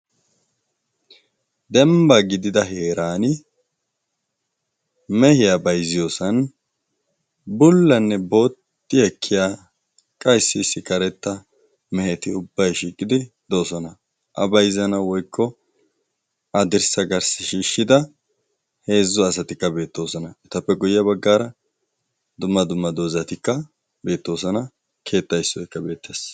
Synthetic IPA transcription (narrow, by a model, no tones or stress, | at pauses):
d̪ɛmbɐɡɪd̪ɪd̪ɐɦe̞ːɾaːnɪ | mɛhɪjabɐjzɪjo̞ːsɐn | bʊlːɐnːɛbo̞ːt̪ːɪɛkʰːɪjaː | kʼɐjsːɪːsːɪkɐɾɛt̪ːɐ | mɛhɛt̪ɪʊbːɐjʃiːkʼɪd̪ɪ | d̪oːsɔnɐ | ʔɐ̰bɐjzɐnɐwɔjkːɔ | ʔɐd̪ɪɾsɐɡɐɾsɪʃiːʃːɪd̪ɐ | he̞ːzːɔɐsɐt̪ɪkːɐbe̞ːt̪ːo̞ːsɔnɐɛt̪ɐpːɛɡʊjːɐbɐɡːaːɾɐ | d̪ʊmːɐd̪ʊmːɐd̪o̞ːzɐt̪ɪkːɐ | be̞ːt̪ːo̞ːs̬ɔnɐ | kʰe̞ːt̪ːɐjsːɔjkːɐbe̞ːt̪ːes